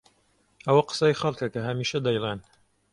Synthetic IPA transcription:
ɐwɐqə̥sɐjxɐlˠkɐkɐɦɐmiːʃɐd̪ɐjlˠen

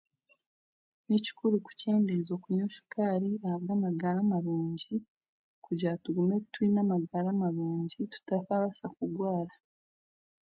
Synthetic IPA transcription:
nici̥kuɾuku̥ce̞ːndezo̞kuɲoʃu̥kaɾiahaβɡaːmaɡaɾamaɾuːɲɟi | kuɾɟatuɡume̞twinamaɡaɾamaɾuːɲɟitu̥tafaβasakuɡwaːɾa

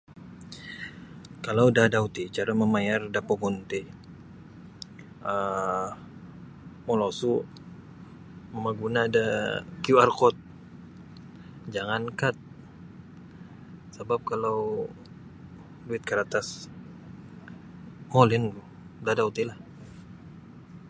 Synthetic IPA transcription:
kalawdadaut̪it͡ʃaɾaməmajardapoɡɔnt̪e | ə | molosu | məmaɡunaːdakijuarkɔt̪̚ | d͡ʒaŋankat̪̚ | səbap̚kalaw | luɪt̪̚kəɾat̪as | olɛnɡu | dadaut̪ilah

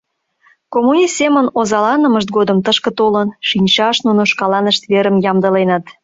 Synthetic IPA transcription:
komunʲist̪ːemənozɑlɑnəməʃt̪̚ɡod̪əmt̪əʃkə̆t̪olənʃinʲt͡ɕɑʃnunoʃkɑlɑnəʃt̪βeɾəmjɑmd̪əlenət̪

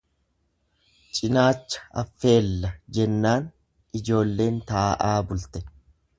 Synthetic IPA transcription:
t͡ʃʼɪnaːt͡ʃːɐ̥ɐfːe̞ːlːɐd͡ʒɛnːaːn | ɪd͡ʒo̞ːlːe̞ːnt̪aːʔaːbʊlt̪ɛ

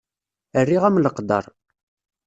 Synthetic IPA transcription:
ərːiʁæmləqd̪ɑ̰ɾˤ

